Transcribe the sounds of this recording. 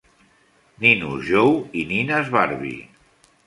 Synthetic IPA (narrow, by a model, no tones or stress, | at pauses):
ninuʒowininəzβaɾβḭ